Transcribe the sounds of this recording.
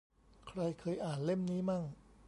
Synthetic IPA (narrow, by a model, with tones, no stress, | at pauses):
kʰɾa˧jkʰɤː˧jʔaː˨˩nle˥˩mniː˦˥maː˥˩ŋ